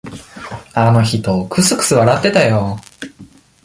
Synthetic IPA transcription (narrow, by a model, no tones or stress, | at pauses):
ano̞çit̪o̞kʰɯ̟sɨkɯ̟̥sɨβaɾat̪ːe̞t̪ajo